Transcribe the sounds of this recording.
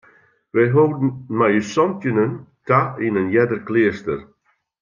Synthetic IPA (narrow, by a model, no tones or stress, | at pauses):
ʋɛjɦowd̩majysɔntjənənkainənjɛdərklɪəstər